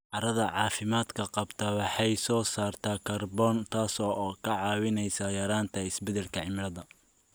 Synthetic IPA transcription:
ʔɐɾɐðɐʕɑːfɪmaːd̪kʰɐqɑbt̪ʰɐwɑħɑjsɔːsaːrt̪ʰaːkʰɐrbɔːnt̪ʰaːsɔːkʰɐʕɑːwɪnɛjsɐjɐɾaːnt̪ʰɐɪsbɛðɛlkʰɐʕɪmɪɾɐðɐ

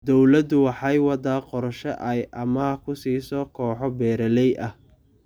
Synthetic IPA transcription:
d̪ɔwlɐd̪ʊwɑħɑjwɑd̪aːqɔɾʃɐ̰ʔɐjʔɐmɐkʰʊsiːsɔːkʰɔːħɔbɛːɾɐlɛjʔɐh

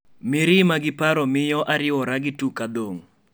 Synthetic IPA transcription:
mɪɾɪmaɡɪpaɾɔmɪjɔʔaɾɪwɔɾaɡɪtukad̪oŋ

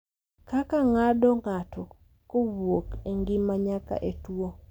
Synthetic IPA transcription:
kakaŋadɔŋatɔ | kobokeŋɡɪmaɲaka̰ʔetwo

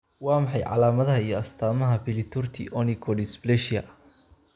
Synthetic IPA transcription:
wɑːmɑħɑjʕɑ̰laːmɐðɐɦɐijɔɐst̪ʰaːmɐɦɐbɪlɪt̪ʰʊrt̪ʰḭʔɔnikʰɔlɪsblɛʃjɐ̰

